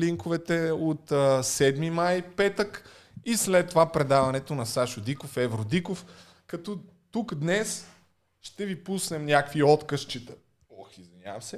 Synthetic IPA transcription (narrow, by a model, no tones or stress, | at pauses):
liŋkovɛt̪ɛot̪ːsɛd̪mimajpɛt̪ək | islɛt̪ːovapɾɛd̪avɐnɛt̪onɐsaʃʊd̪ikofɛvɾod̪ikof | kɐt̪ɔ | t̪ukd̪nɛs | ʃt̪ɛvipusnɛmnʲakviɔt̪kəʃt͡ʃit̪ə | ɔxizvinʲa̰vmsɛ